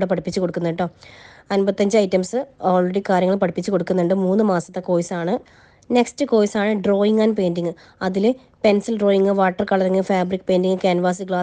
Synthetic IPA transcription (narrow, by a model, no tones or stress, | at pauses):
ɽep̬ɐɽipːit͡ɕːuko̞ɽukːunːiʈːoːɐnbɐt̪ːɐɲd͡ʑɨɐjtːɐmsɨoːlreɽikaːɾjɐŋːɐɭpɐɽipːit͡ɕːuko̞ɽukːunːuɳɖɨmuːnːɨmaːsɐ̥t̪ːeko̞ːjsaːɳɨ | ne̞kstɨko̞ːjsaːɳɨɖro̞ːjiŋaːnpe̞ːndiŋːɨ | ɐðile | pe̞nsɐlɖro̞ːjiŋːɨʋaːʈːɐrkɐɭɐðiŋːɨfaːbrikːɨpe̞ːndiŋːɨkeːnʋaːs̬iɡɭaː